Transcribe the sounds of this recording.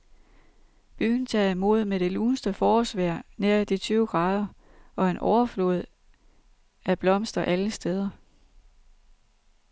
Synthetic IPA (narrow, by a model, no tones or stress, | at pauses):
b̥y̰ːn̩t͡sʰɛ̰ːimo̝̰ð̞ˠmed̥e̝luːnsd̥əfɒːsʋæɐ̰neɐid̥it͡sʰyʊɡ̥ʁɑ̈ːðˠɐ | ɒ̽enʔɒʊɐflo̰ð̞̩ˠ | ʔæb̥lɒ̽m̰sd̥ɐʔæləsd̥eð̞ˠɐ